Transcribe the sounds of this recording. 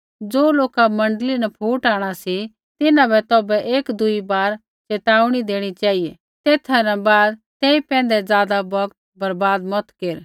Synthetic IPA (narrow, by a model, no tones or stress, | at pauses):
d͡zoːloːkamɐ̃ɳɖlinɛpʰuːʈaːɽ̃asi | t̪ɪnãbʱɛt̪ɔːbɛʔeːkd̪ʊibaːɾ | t͡ʃeːt̪aːʊɽ̃id̪eːɽ̃it͡ʃaːijɛ | t̪eːt̪ʰanɛbaːd̪t̪eːipɛ̃ːn̆d̪ɛd͡zjaːd̪abɐkt̪̚bɐɾbaːd̪mɔt̪keːɾ